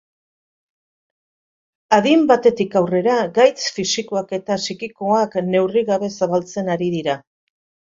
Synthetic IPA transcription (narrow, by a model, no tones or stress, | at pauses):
aðimbat̪e̞t̪ikawre̞ɾaɡajt͡sfisiko̞ake̞t̪asikiko̞akne̞wriɣaβe̞saβalt͡se̞naɾiðiɾa